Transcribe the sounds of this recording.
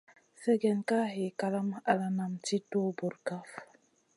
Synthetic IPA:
sɛ˦ɡɛ˨nka˦ɦe˨ka˦la˦ma˨la˨na˨mti˦to˦bu˨ɾɡa˦f

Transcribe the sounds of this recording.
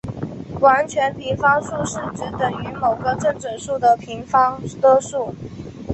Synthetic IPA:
wa˧˥nt͡ɕʰɥɛ˧˥nli˧˥nfɑ˥ŋʂu˥˧ʂɻ̩˥˩ʈ͡ʂɻ̩˧˥t̪ə˨˩ŋy˧˥mo˨˩ʊɡə˧ʈ͡ʂə˥˩ŋʈ͡ʂə˨˩ŋʂu˥˩d̪ə˩pʰi˧˥ŋfɑ˥ŋt̪ə˥ʂu˥˩

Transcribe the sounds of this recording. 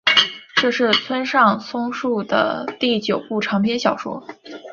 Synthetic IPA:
ʈ͡ʂɤ˥˧ʂɻ̩˥˩t͡sʰwə˥nʂɑ˥˩ŋsʰʊ˥ŋʂu˥˩d̪ə̰˩t̪i˥˩t͡ɕjo˨˩ʊpu˥˩ʈ͡ʂʰɑ˧˥ŋpʰjɛ˥nɕjɑ˨˩ʊʂwɔ̰˥

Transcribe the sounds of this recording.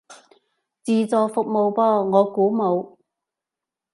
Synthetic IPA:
t͡siː˨˧t͡sɔː˨˧fʊ˨k̚mo˨˧wpɔː˥ŋɔː˨˧kuː˨˥mo˨˧w

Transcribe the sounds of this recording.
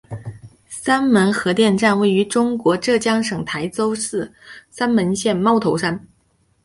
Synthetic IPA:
sa˥nmə˧˥nxɤ˧˥t̪jɛ˥˧nʈ͡ʂa˥˧nwe˥˩ɪy˧˥ʈ͡ʂʊ˥ŋkwɔ˧˥ʈ͡ʂɤ˥˩t͡ɕjɑ˥ŋʂɤ˨˩ŋt̪ʰa˧˥ɪt͡so˥ʊsɹ̩˥˩sa˥nmə˧˥nɕjɛ˥˧nmɑ˥˧ʊt̪ʰo˧˥ʊʂa˥n

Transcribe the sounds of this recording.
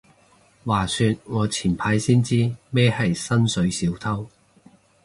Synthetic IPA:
waː˨˩sy˧t̚ŋɔː˨˧t͡sʰiː˨˩npʰaː˨˧˥jsiː˥nt͡siː˥mɛː˥hɐ˨jsɐ˥nsɵ˨˧˥ɥsiː˨˥wt̪ʰɐ˥w

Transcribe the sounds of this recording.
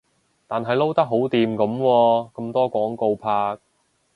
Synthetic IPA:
t̪aː˨nɦɐ˨jlo˥wt̪ɐ˥k̚ɦo˨˥wt̪iː˨mkɐ˨˥mkwɔː˧kɐ˧mt̪ɔː˥kʷwɔː˨˥ŋko˧wpʰaː˧k̚

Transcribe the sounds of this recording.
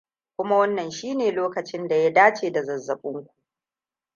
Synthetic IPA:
kʷʊ˦ma˦wɐ˦nːɐ˨nʃiː˦neː˨loː˦kɐ˨t͡ʃɪ˦nda˨ja˦daː˦t͡ʃeː˨da˨zɐ˨zːɐ˨ɓʊ˦ŋkʷu̥˨ʔ

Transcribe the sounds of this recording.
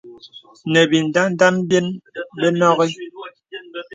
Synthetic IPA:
nɛ˨bi˨n̩˨da˦n̩˦da˦m˦bje˦nbɛ˦nɔ˦ɣi˦

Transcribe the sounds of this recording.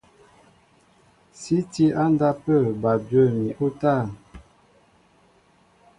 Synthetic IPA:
si˦ti˦a˦nda˦pə˦˨ba˨bjə˦˨mi˨ʔu˦ta˦˨

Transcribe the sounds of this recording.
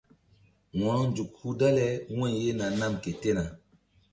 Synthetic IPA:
wɔ̃˨ɾɔ˦nd͡ʒu˨k̚hu˦da˦lɛ˦wɔ̃˦˨je˦na˨na˦mke˨te˦na˨

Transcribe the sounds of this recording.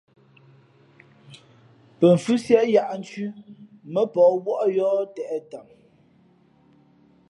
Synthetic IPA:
pə˨ɱ̩˨fʉ˦sjɛ˦ʔja˦ʔn̩˦t͡ʃʉ˦mə˦pɔː˨wɔ˦ʔjɔː˦tɛ˨ʔɛ˦ta˨m

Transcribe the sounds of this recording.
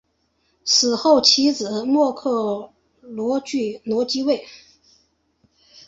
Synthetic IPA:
sɹ̩˨˩xo˥˩ʊt͡ɕʰi˧˥t͡sɹ̩˨˩˦mwɔ˥˧kʰɤ˥˩ | lwɔ˧˥t͡ɕy˥˩nwɔ˧˥t͡ɕi˥we˥˩ɪ

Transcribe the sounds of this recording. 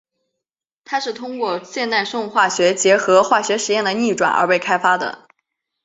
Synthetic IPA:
t̪ʰa˥ʂɻ̩˥˩t̪ʰʊ˥ŋkwɔ˥˧ɕjɛ˥˧nt̪a˥˧ɪʂʊ˥˧ŋxwa˥˩ɕɥɛ˧˥t͡ɕjɛ˧˥xɤ˧˥xwa˥˩ɕɥɛ˧˥ʂɻ̩˧˥jɛ˥˩nd̪ə˩ni˥˩ʈ͡ʂwa̰˨˩nʔə̰˞˧˥pe˥˩ɪkʰa˥ɪfa˥d̪ə̰˨

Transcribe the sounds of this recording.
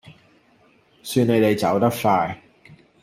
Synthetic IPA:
syː˧ne˨˧jt̪e˨jt͡sɐ˨˥wt̪ɐ˥k̚faː˧j

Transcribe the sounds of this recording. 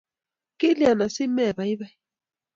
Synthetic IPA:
ki˦li˦a˨na˨si˦mɛ˨βa˨i˦βa˦˨

